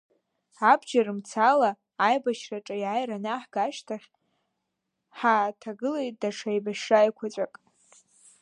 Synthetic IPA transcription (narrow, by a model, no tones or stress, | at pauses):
abd͡ʒarɨmt͡sʰalaː | jbaʃraʈ͡ʂʼajʕajranaħɡ̥aʃtʰaχʲ | ħatʰaɡɨlejt̚ʼdaʂʰajbaʃʂajkʷʰat͡ʃʷʼakʼ